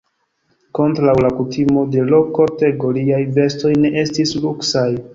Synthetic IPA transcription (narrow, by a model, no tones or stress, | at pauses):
ko̞ntɾawlakutimo̞de̞lo̞kote̞ɡo̞liajve̞sto̞jne̞ʔe̞stisluksaj